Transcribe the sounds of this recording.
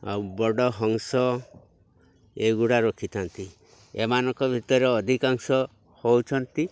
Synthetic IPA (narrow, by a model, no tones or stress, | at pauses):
a̰wbɔɽɔɦɔŋsɔ | eɡuɽaɾokʰit̪ʰant̪i | emanɔŋkɔbʱit̪ɔɾeɔd̪ʱikaŋsɔ | howt͡ʃʰɔnt̪i